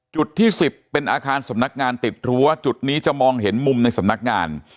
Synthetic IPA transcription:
t͡ɕu˨˩t̪ʰːiː˥˩si˨˩pːe˧nʔaː˧kʰaː˧nsa˩˦mna˦˥k̚ŋaː˧nt̪i˨˩t̪̚ɾu˦˥ɐt͡ɕu˨˩t̪̚niː˦˥t͡ɕa˨˩mɔː˧ŋɦe˩˦nmu˧mna˧jsa˩˦mna˦˥k̚ŋaː˧n

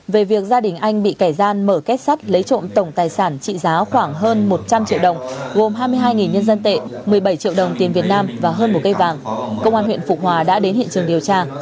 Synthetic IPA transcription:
ve˨˩vi˨˩ək̚zaː˧ɗï˨˩ŋ̟ʔa˧jŋ̟ɓḭ˧˨kaː˧˩jzaː˧nməː˧˩kɛ˦˥t̚sa˦˥t̚lə˨˦jt͡ɕo̰˧˨nt̪ə˧˩wŋ͡mt̪aː˨˩jsaː˧˩nt͡ɕḭ˧˨zaː˨˦xwaː˧˩ŋɦəː˧nmo˨˩t̚t͡ɕa˧mt͡ɕḭ˧əwɗə˨˩wŋ͡mɣo˨˩mɦaː˧jmɨ˧əjɦaː˧jŋi˨˩nɲə˧nzə˧nt̪ḛ˧˨mɨ˨˩əjɓə˧˩jt͡ɕḭ˧˨əwɗə˨˩wŋ͡mt̪i˨˩nvi˨˩ət̚naː˧mvaː˨˩ɦəː˧nmo˨˩t̚kə˧jvaː˨˩ŋkə˧wŋ͡mʔaː˧nhwḭ˧˨ənfʊ˨˩k͡p̚hwaː˨˩ɗa̰ː˧˥ɗe˨˦nhḭ˧˨ənt͡ɕɨ˨˩əŋɗi˨˩əwt͡ɕaː˧

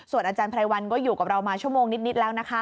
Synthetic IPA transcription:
su˨˩ənʔaː˧t͡ɕaː˧npʰɾa˧jwa˧nkɔː˥˩juː˨˩ka˨˩p̚ɾa˧wmaː˧t͡ɕʰu˥˩əmoː˧ŋni˦˥t̪̚ni˦˥lɛː˦˥wna˦˥kʰa˦˥

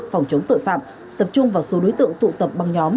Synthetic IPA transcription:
k̚fa˨˩wŋ͡mt͡ɕə˨˦wŋ͡mt̪o̰˧˨jfa̰ː˧˨m | t̪ə˨˩p̚t͡ɕʊ˧ŋ͡mvaː˨˩wso˨˦ɗo˨˦jt̪ɨ̰˧˨əŋt̪ṵ˧˨t̪ə˨˩p̚ɓa˨˩ŋɲɔ˨˦m

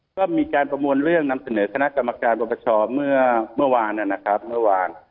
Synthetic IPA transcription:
kɔː˥˩miː˧kaː˧npɾa˧mu˧ənɾɯ˥˩əŋna˧msa˧nɤː˩˦kʰa˧na˦˥ʔka˧mːa˧kaː˧nbɔ˧pʰa˧˩t͡ɕʰɔː˧mɯ˥˩ɐmɯ˥˩ɐwaː˧nʔa˨˩na˦˥kʰɾa˦˥p̚mɯ˥˩ɐwaː˧n

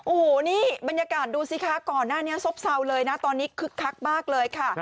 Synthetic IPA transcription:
ʔoː˨˩˦niː˥˩ba˧njaː˧kaː˨˩t̪̚duː˧si˨˧˩kʰa˥˩kɔː˨˩nːaː˥˩ni˦˥ɐso˦˥p̚sa˧wlɤː˧jna˦˥t̪ɔː˧nːiː˦˥kʰɯ˦˥kʰːa˦˥k̚maː˥˩k̚lɤː˧jkʰa˥˩

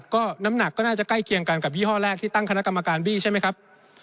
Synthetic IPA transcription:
tkɔː˥˩na˦˥mna˨˩kːɔː˥˩naː˥˩t͡ɕa˨˩kla˥˩jkʰi˧əŋka˧nka˨˩p̚wiː˥˩ɦɔː˥˩lɛː˥˩k̚t̪ʰiː˥˩t̪a˥˩ŋkʰa˧na˦˥ka˧mːa˧kaː˧nbiː˥˩t͡ɕʰa˥˩jma˦˥jkʰa˦˥p̚

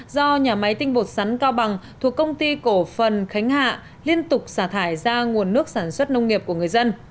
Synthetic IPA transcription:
zɔ˧ɲaː˨˩ma˨˦jt̪ï˧ŋ̟ɓo˨˩t̚sa˨˦nkaː˧wɓa˨˩ŋt̪ʰu˨˩əkːə˧wŋ͡mt̪i˧ko˧˩fə˨˩nxa˨˦jŋ̟ha̰ː˧˨ | li˧ənt̪ʊ˨˩k͡p̚saː˧˩t̪ʰaː˧˩jzaː˧ŋu˨˩ənːɨ˦˥ək̚saː˧˩nswə˦˥t̚nə˧wŋ͡mŋi˨˩əp̚ku˧˩əŋɨ˨˩əjzə˧n

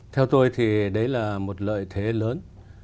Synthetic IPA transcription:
t̪ʰɛ˧wt̪o˧jt̪ʰi˨˩ɗə˨˦jlaː˨˩mo˨˩t̚lə̰ː˧˨jt̪ʰe˨˦ləː˨˦n

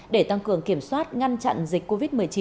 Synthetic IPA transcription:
ɗe˧˩t̪a˧ŋkɨ˧˩əŋki˧˩əmswaː˦˥t̚ŋa˧nt͡ɕa̰˧˨nzï˨˩k̟ko˧vi˦˥t̚mɨ˨˩əjt͡ɕi˧˦

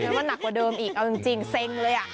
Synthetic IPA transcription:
mɛː˧˦˥ma˧nːa˨˩kwa˨˩dɤː˧mʔiː˨˩k̚ʔa˧wt͡ɕi˧ŋt͡ɕi˧ŋse˧ŋlɤː˧jʔa˨˩ʔ

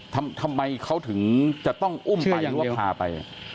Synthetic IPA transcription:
t̪ʰa˧mt̪ʰa˧mːa˧jkʰa˦˥wt̪ʰɯ˩˦ŋt͡ɕa˨˩t̪ɔ˥˩ŋʔu˥˩mpa˧jwa˥˩pʰaː˧pa˧j

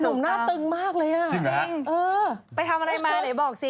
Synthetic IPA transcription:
nu˨˩˦mnaː˥˩t̪ɯ˧ŋmaː˥˩k̚lɤː˧jʔa˧˨˩ŋʔɤː˧pa˧jt̪ʰa˧mʔa˧ɾa˧jmaː˧la˨˩˦jbɔː˨˩k̚si˧

